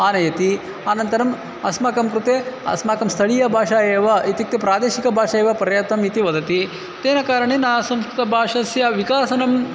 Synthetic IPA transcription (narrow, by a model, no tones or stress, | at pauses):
aːnɐjɐt̪i | aːnɐnt̪ɐɾɐm | ɐsmaːkɐmkɾut̪eːɐ̰smaːkɐmst̪ʰɐɭijɐbʱaːʂaːeːʋɐit̪ik̚t̪epɾaːd̪eːʃikɐbʱaːʂaːjeːʋɐpɐɾjɐt̪ɐmit̪iʋɐd̪ɐt̪i | t̪eːnɐkaːɾɐɳeːnaːsɐmskɾut̪ɐbʱaːʂɐsjɐʋikaːsɐnɐm